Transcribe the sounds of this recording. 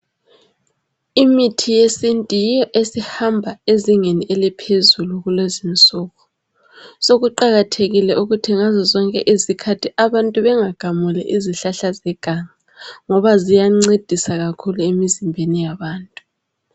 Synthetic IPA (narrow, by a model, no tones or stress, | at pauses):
imitʰijesintʼijijɔʔesihambʱaeziŋeniʔelipʰezuluɣulezint͡sʼɔːɣɔ | soɣuǃaɣatʰeɣilɛʔuɣutʰiŋazɔzɔŋkʼɛ̰ʔizikʰatʰiʔaβantʼuβɛŋaɡ̥ʱamulɛ̰ʔiziɬaɬazɛɡ̥ʱaŋa | ŋɔβazijaŋ͡ǀed̥ʱisaɣakʰuluemizimbʱenijaβaːntʼu